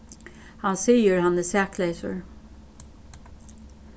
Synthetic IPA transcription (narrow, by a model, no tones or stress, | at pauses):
hɑnsiːəɹhɑnəsæːkʰleɪsə̰ɹ